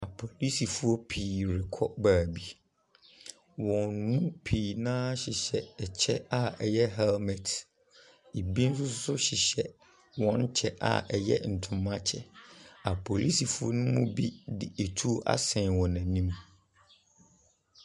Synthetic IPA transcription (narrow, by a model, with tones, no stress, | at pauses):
a˨pʰɔ˨li˦si˨fu˦ɔ˦pʰiː˨ɾɪ˨kʰɔ̰˦baː˨bi˦ | wɔ̃˨nnũ˦pʰiː˨nãː˦ɕɪ˨ɕɛ˨ɛ˨t͡ɕʰɛ˦a˨ɛ˨jɛ˦ɦɛ˦lmɛ˨tʰ | i˨bi˦n̩˦sʊ˦sʊ˦sʊ˦ɕɪ˨ɕɛ˨ | wɔ̃˨n˦t͡ɕʰɛ˦ʔa̰˨ʔɛ˨jɛ̰˦n̩˨tʰʊ̃˨mã˦t͡ɕʰɛ˨a˨pʰɔ˨li˦si˨fu˦ɔ̰˦nʊ̃˦mʊ̃˦bi˦dɪ˨e˨tʰu˦o˦ʔa̰˦sɛ̃˨nwɔ̃˨nã˨nĩ˦m